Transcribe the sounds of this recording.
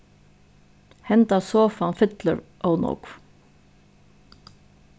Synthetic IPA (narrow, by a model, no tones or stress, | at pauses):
hɛnt̪asɔːfanfɪt̪lə̰ɾʔownɔ̰kv